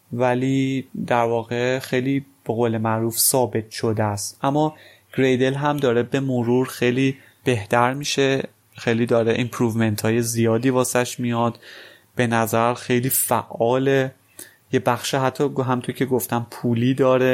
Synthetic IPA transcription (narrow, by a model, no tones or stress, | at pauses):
væliːd̪æɾvɒːɣe̞xejliːb̥e̞ɣoːle̞mæʔɾuːfsɒːbe̞t̪ʰʃo̞d̪eæst̪ʔæmːɒː | ɡ̥ɾejd̪e̞lɦæmd̪ɒːɾebe̞moɾuːɾxejliː | b̥e̞ht̪ʰæɾmiːʃe | xejliːd̪ɒːɾeʔimpʰɾuːvment̪ʰɒːjezijɒːd̪iːvɒːsæʃmijɒd̪̥ | b̥e̞næzæɾxe̞jliːfæʔɒːle | jebæxʃiɦæt̪ʰːɒːɡɦæmint̪ʰoɾicʰeɡoft̪æmpʰuliːd̪ɒːɾe